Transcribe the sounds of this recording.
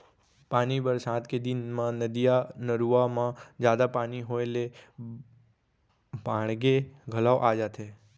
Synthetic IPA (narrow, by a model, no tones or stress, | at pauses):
panibəɾsãt̪ked̪inmãnəd̪ijanəɾuʋamãd͡ʒjad̪apaniɦoele | bʱãɳɡeɡʱəlawʔad͡ʒat̪ʰe